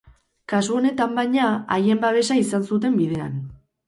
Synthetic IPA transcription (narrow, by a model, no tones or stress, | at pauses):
kasuo̞ne̞t̪ambajɲaaje̞mbaβ̞e̞saisansut̪̬e̞mbiðe̞a̰n